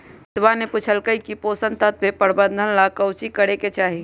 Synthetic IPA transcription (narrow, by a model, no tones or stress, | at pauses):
t̪ʋaneput͡ʃʰəlkəikipoːsə̃nt̪ət̪bepəɾbə̃nd̪ʱənlakəʊt͡ʃikəɾeket͡ʃaːɦi